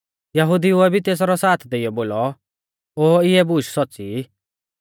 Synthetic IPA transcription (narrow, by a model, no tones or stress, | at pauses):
jɐɦud̪iuɛbʱit̪eːs̬ɾɔsaːt̪ʰd̪eijɔboːlɔ | oːɪɛbuːʃsɔtːt͡si